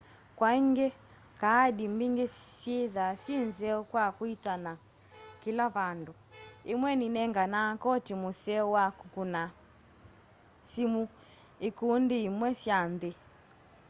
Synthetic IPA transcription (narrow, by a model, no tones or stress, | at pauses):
kwaiŋɡɛ | kaːɗimbiŋɡesjeðasinzɛɔkwakwitana | kilaβanduimwɛninɛŋɡanakɔtimusɛwakukuna | simu | ikundiimwɛsjanðe